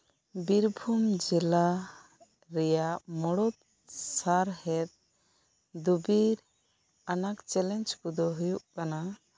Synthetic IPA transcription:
biɾbʱumd͡ʒila | ɾɛjamɔɽɔt̪̚ | saɾhɛt̪̚ | d̪ubiɾ | anakt͡ʃɛlɛnd͡ʒkud̪ɔɦujuʔkana

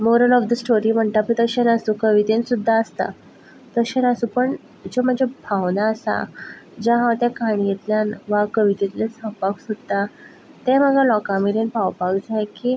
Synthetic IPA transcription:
moɾəlɔfd̪əsʈoɾiːm̤əɳt̪apĩt̪əɕenəsũkəʋit̪ensud̪ʱːaəst̪a̰ | t̪əɕenəsũpəɳ | d͡zom̤əɳd͡ʑebʱawnaəsa̰d͡ʑaɦãt̪jakaɽ̃jet̪ljanʋakəʋit̪et̪lesə̃paksud̪t̪a | t̪em̤əɡalɔkãmeɾenpawpakd͡zʱajkiː

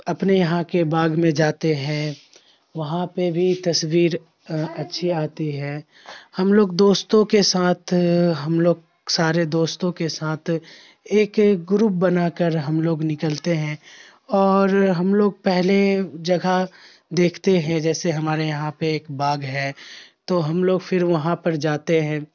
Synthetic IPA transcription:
ɐpnejɐɦãkebaːɡmẽd͡ʒaːt̪eɦɛ̃ | ʋɐɦãpebʱit̪ɐswiːɾ | ɐtːʃʰiaːt̪iɦɛː | hɐmloːɡd̪oːst̪õkesaːt̪ʰɦɐmloːɡ | saːɾed̪oːst̪õkesaːt̪ʰ | eːkɡɾuːp̚bɐnakəɾɦɐmloːɡnɪkəlt̪eɦɛ̃ | ɔːɾɦɐmloːɡ̚pɛɦled͡ʒɐɡʱa | d̪eːkʰt̪eɦɛ̃d͡ʒɛːseɦɐmaːɾejɐɦãpeeːkbaːɡɦɛːt̪oːɦɐmloːɡfʰɪɾʋɐɦãpɐɾd͡ʒaːt̪eɦɛ̃ː

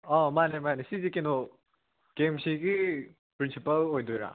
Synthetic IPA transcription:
ɔmanemanesizikenɔ | ɡ̥emsiɡi | pɾinsipɐlojdojɾa̰

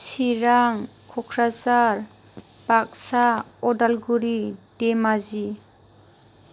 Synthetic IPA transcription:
siɾaŋ | kʰɔkʰɾazaɾ | bak̚saɔdalɡuɾidemazi

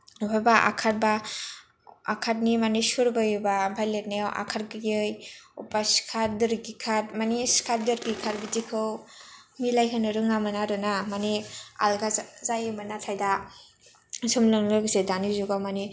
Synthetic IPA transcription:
upʰabaʔa̰kʰat̚ba | a̰kʰat̚nimanisuɾbajɯbabʱajlet̚najaʔa̰kʰaɾ̚ɡɯjɯjṵpaskʰaɾdɯɾɡikʰat̚maniskʰaɾ̚dɯɾɡikʰaɾbizikʰɯw | milajkʰanɯɾɯŋnamɯnaɾɯnamanea̰lɡazajɯmanatʰajda | sɯmlɯŋlɯɡsedanizuɡamani

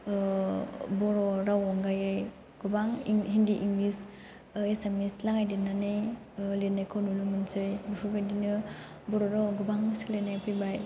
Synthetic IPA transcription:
bɔɾɔɾawɔŋɡajɯj | ɡ̥ubaŋiɦindiʔiŋɡlis | esemislaŋajdinːanɯj | lenajkʰownulumɯnsɯjbipʰɯbajdinɯ | bɔɾɔɾawɡubaŋsilenːajpʰɯjbaj

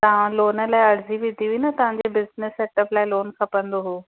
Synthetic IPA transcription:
t̪ɐʋ̤ãloːnə̆laːɪɐɽ̤ziʋɪd̪ʱiʋiːnət̪ɐʋ̤ãɲd͡ʑebɪznɪseːʈəplaːɪloːnkʰɐpɐ̃nd̪oɦoː

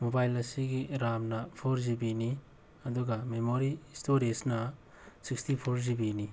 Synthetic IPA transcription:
mobajlɐsiɡiɾamnɐpʰoɾzibini | ɐduɡɐmemoɾistoɾesnɐ | sikstipʰoɾzibini

